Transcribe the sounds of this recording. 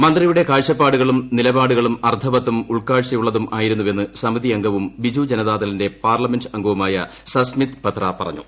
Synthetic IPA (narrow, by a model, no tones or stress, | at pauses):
mɐnd̪rijuɽe̞kaːɻɕɐpːaːɽuɣɐɭumnilɐbaːɽuɣɐɭumɐrt̪ʰɐbɐt̪ːumuɭkaːɭɕɐjuɭːɐðumʔaːjiɾunːuʋe̞nːɨsɐmiðiɐŋɡʱɐʋumbid͡ʑuːd͡ʑɐnɐðaːðɐlinde̞paːrlɐmendɐŋɡʱuʋumaːjɐsɐsmit̪pɐt̪rɐpɐrɐ̰ɲːṵ